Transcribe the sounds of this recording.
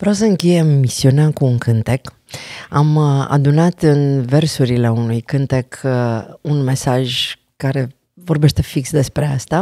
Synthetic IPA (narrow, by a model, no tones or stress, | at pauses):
vɾaws̬əɨŋkʲejemːisiuneakuːŋkʰɨnt̪e̞k | ama̰d̪unat̪ɨnve̞rsuɾile̞unujkɨnt̪e̞kʰunme̞saʒ | kaɾe̞ | vo̞rbe̞ʃt̪e̞fiksd̪e̞spɾe̞ast̪a